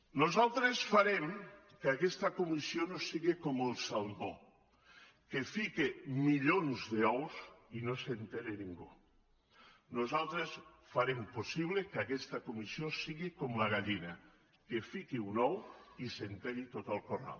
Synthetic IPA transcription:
nozalˠt̪ɾesfaɾemkakest̪ɐkomisjonosiɣekomelˠsalβo | kefikemiʎonzðeɔwsinosent̪eɾeniŋɡu | nozalˠt̪ɾes | faɾemposiβ̞lekakest̪akomisjosiɣikomlaɣaʎina | kefikiunɔwisent̪eɾit̪ot̪alkora̰l

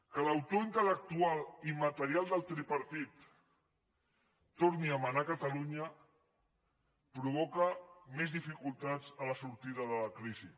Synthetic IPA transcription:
kələwt̪oint̪ələk̚t̪ualimət̪əɾialˠd̪əlˠt̪ɾipəɾt̪it̪ | oɾniəmənakət̪əluɲə | pɾuβ̞okəmezðifikulˠt̪azələsuɾt̪iðəðələkɾizi

